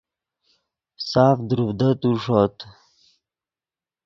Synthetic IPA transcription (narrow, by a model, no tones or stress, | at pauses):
saːfd̪ɾuvd̪ət̪uʂot̪